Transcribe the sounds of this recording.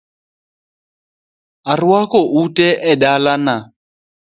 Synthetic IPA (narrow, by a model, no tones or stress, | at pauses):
ariwakɔʔutɛʔɛdalana